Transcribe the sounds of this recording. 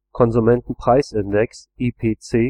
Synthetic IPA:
kʰɔnzumɛntn̩pʁ̥aɪsɪndɛksiːpʰeːt͡seː

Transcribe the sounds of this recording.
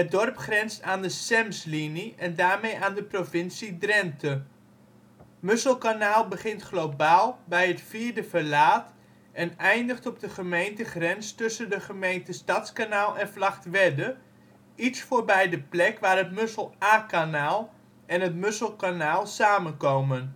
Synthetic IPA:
ət̚dɔrpχrɛnstaːndəsɛmsliniɛndaːɹmejʔaːndəprofɪnsidrɛntʰə | møsəl̩ˠkanaːlˠbəχɪntχlowbaːlˠbɛjətfiːɹdəvəlaːt | ʔɛnɛjndəχtɔb̚dəχəmejntəχrɛnstɵsəndəχəmejntəstɑtskanaːlˠɛnflɑχtʋɛdə | itsfoːɹbɛjdəplɛkʋaːɾətmɵsəlˠaːkanaːlˠ | ɛnɦətmɵsəlˠkanaːlˠsaːmənkowmən

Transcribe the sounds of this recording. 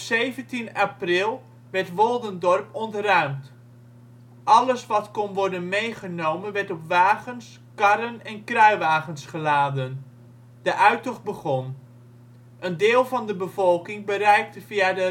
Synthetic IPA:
ɔpsejvəntinaprɪlˠ | ʋɛrtʋɔlˠdəndɔrpɔntrœɥmt | ʔɑləsʋɑtkɔnʋɔɹdənmejχənowmənʋɛɹtɔpʋaːɣəns | kɑɾənɛnkrœɥʋaːχənsχəlaːdən | d̥əʔœɥtɔχbəχɔn | ʔəndɪːlˠvɑndəbəvɔlˠkɪŋbərɛjk̚təv̥iadə

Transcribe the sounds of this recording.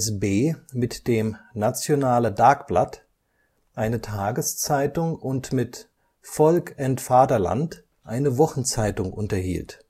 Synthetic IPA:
sbeːmɪtd̥eːmnat͡sjonaːlədaɐkb̥la̰t | ʔaɪnətʰaːɡəst͡saɪtʊŋʊntmɪt | fɔlkɛntfaːdɐla̰nt | ʔaɪnəvɔχn̩t͡saɪtʊŋʔʊ̰ntɐhḭːlt

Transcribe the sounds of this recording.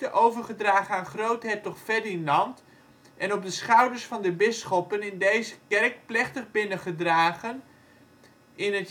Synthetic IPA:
təʔowvərχədraːχənaːnχrowtɦɛtɔχfɛdinlɑnt | ʔɛnɔp̚dəsχawdərsfɑndəbɪsχɔpənɪndejzəkɛrk̚plɪχtəχbɪnəχədraːɣən | ʔɪnət

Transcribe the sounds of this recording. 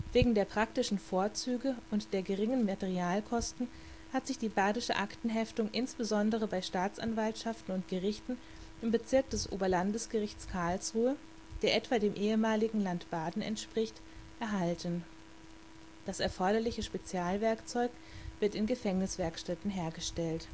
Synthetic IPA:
v̥eːɡŋ̩deːɐpʁ̥aktɪʃn̩foːɐt͡syːɡəʊntd̥eːɐɡəʁɪŋənmatɛʁiaːlkʰɔstn̩ | hatz̥ɪçd̥iːbaːdɪʃəʔaktn̩ɦɛftʊŋʔɪnsb̥əzɔndəʁ̞əbaɪʃtaːt͡sʔa̰nvaltʃaftn̩ʊntɡ̥əʁɪçtn̩ | ʔɪmbət͡sɪɐk̚d̥ɛsʔo̰ːbɐlandəsɡ̥əʁɪçt͡skʰaɐlsʁuːə | d̥eːɐʔɛtv̥aːdeːmʔeːəmaːlɪɡŋ̩lantb̥aːdn̩ɛ̰ntʃpʁ̥ɪçt | ʔɛɐɦaltən | d̥asɛ̰ɐfɔɐɾɐlɪçəʃpet͡sjaːlvɛɐkt͡sɔʏk | v̥ɪɐtɪnɡəfɛŋnɪsv̥ɛɐkʃtɛtn̩ɦeːɐɡəʃtɛlt

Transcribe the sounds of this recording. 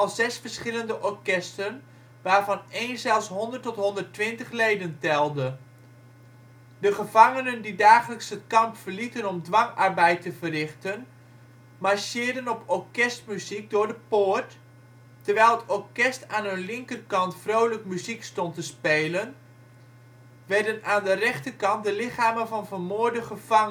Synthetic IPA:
ɑlˠzɛsfəɹsχɪləndəʔɔɹkɛstən | ʋaːɹvɑnejnzɛlˠsɦɔndərtɔtɦɔndəɹtʋɪntəχlejdəntɛlˠdə | dəχəvɑŋənəndidaːχələksətkɑmpfəɹlitənɔmdʋɑŋɑɹbɛjtəvərɪχtən | maɹʃɪːɹdənɔpʰɔɹkɛst̚myzik̚dʊːɹdəpʊrt | tərʋɛjlˠətɔɹkɛstaːnɦɵnlɪŋkərkɑntfrowləkmyzikstɔntəspeːlən | ʋɛrdənaːndərɛχtəkɑnt̚dəlɪχaːmənvɑnvərmoːɹdəχəv̥ɑŋə

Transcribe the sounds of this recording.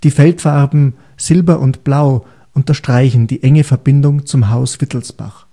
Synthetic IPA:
d̥iːfɛltfaʁbm̩ | z̥ɪlbɐʔʊntb̥laʊ | ʔʊntɐʃtʁ̥aɪçn̩diːʔɛŋəfɛɐbɪndʊŋt͡sʊmɦaʊsv̥ɪtl̩sb̥a̰χ

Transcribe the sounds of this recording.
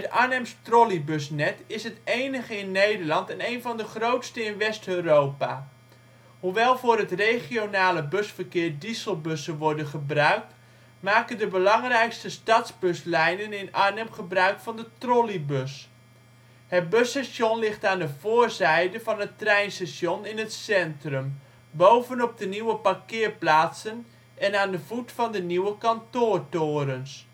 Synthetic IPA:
tanɛmstrolibɵs̬nɛtɪsɦətejnəχəɪnːejdərlɑntɛnejnvɑndəχrowtstəɪnʋɛstøːrowpa | huʋɛlˠvʊːrɦətrejχionaːləbøsfərkɪːrdisəlˠbøsəʋɔrdənχəbrœɥk̚t | maːkəndəbəlɑŋrɛjkstəstɑtzbøslɛjnənɪnanəmχəbrœɥkfɔndətrolibøs | hət̚bøsɛsjonlɪχtaːndəvoːrzɛjdəvɑnətrɛjnsɛsjonɪnətsɛntrəm | bowvənɔp̚dəniwəpakɪːrplaːtsən | ɛnaːndəv̥utfɔndəniwəkɑntoːrtoːɾəns

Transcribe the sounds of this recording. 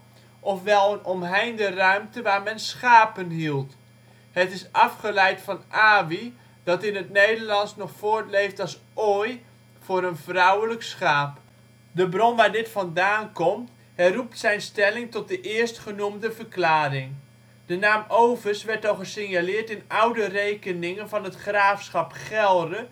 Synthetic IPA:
ʔɔfʋɛlˠənɔmɦɛjndərœɥmtəʋaːɹmɛnsχaːpənɦilˠt | hətɪsɑfχəlɛjtfɑnʔaːvi | d̥ɑtɪnətnejdəɹlɑnsnɔχfoːɹtlejftɑlˠs | ʔoːj | fʊːɾənvrawələksχaːp | dəbrɔnʋaːɹdɪtfɑndaːnkɔmt | hɛjrup̚tsɛjnstɛlɪŋtɔt̚dəʔɪəɹstχənumdəvərklaːrɪŋ | d̥ənaːmowvəsʋɛɹtɔχəsɪŋjalɪːɹtɪnawdərejkənɪŋənvɑnɦətχraːfsχɑpχɛlˠdə

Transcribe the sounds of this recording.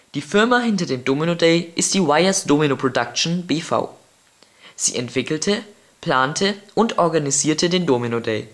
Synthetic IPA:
d̥iːfɪɐmaɦɪntɐdeːmdoːminodɛɪʔɪstd̥iːwaɪɐsd̥oːminopʁ̥odakʃn̩beːfa̰ʊ | z̥ḭːʔɛntv̥ɪkl̩tʰə | pl̥aːntʰəʔʊntʔɔɐɡaniziːɐtʰədeːndoːminodeː

